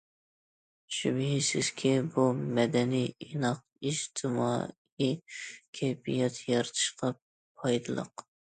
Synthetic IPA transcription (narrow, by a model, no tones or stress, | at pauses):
ʃybɪɦisɪz̥kʲʰɛbumɛd̪ɛnijinɑq̚ | id͡ʒt̪ʰɨmɑ̰ | ikʲʰɛjbijɛt̪ʰjɑɾt̪ʰɨ̥ʃqʰɑ | pʰɑjd̪ɨlˠə̰q